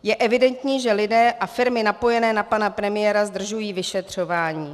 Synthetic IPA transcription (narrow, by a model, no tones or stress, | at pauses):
jɛʔɛvɪdɛnt̪ɲiːʒɛlɪdɛːʔafɪɾmɪnapo̞jɛnɛːnapanapɾɛmɪjɛːɾazd̪r̩ʒujiːvɪʃɛt̪r̝̥o̞vaːɲiː